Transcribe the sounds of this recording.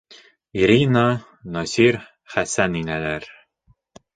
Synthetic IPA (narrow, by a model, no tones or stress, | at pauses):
iɾinɑ | nosʲiɾ | χæsæninælæɾ